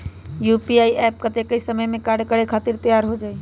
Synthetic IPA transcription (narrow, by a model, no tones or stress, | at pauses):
jupiaiʔɛp̚kət̪ekəjsəməjmẽkaɖkəɽekʰat̪iɾt̪əjaɾɦod͡ʒaːi